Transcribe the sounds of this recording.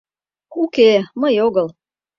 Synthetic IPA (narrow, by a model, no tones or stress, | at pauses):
kukeməjoɣəl